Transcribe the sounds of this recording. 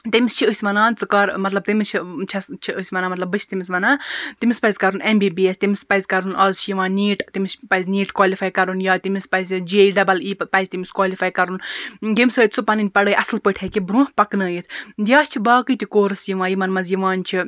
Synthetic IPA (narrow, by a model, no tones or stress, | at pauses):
t̪imist͡ʃʰiəsʲʋɐnãːnt͡sɨkɐɾmɐt̪lɐb̚t̪imist͡ʃʰit͡ʃʰɐst͡ʃʰiʔəsʲmɐnaːmɐt̪lɐbːɨt͡ʃʰt̪imisʋɐnãːt̪imispɐjzʲkɐɾunembiːbiːesʲt̪imispɐjzʲkɐɾunɐːzt͡ʃʰijiʋãːniːʈt̪imʲispɐjzniːʈkwaːlifʰaːjkɐɾunjaːt̪imispɐzd͡ʒeːiɖɐbɐliːpɐjzʲt̪imiskwaːlifʰaːjkɐɾunɡimʲsɨːt̪t͡supɐninʲpɐɽəːjʔɐslpəʈʰekibɾũːhpɐknəːjit̪ʰd̪ʲjaːst͡ʃʰibaːkɨjt̪ʲikoːɾɨsjiʋãːjimɐnmɐzjiʋaːnt͡ʃʰi